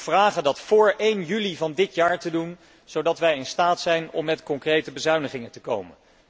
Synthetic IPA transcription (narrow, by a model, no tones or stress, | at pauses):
v̥raːχədɑtfʊːɹʔejnjylivɑndɪtjaːɹtədun | z̥owdɑtʋɛjɪnstaːtsɛjnɔ̰mːɛtkɔŋkrejtəbəzœɥnəχɪŋəntəko̰wmə̰n